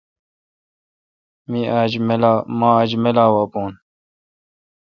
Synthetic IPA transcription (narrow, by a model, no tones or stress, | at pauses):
miad͡ʑmelamaːad͡ʑmelaːwapoːn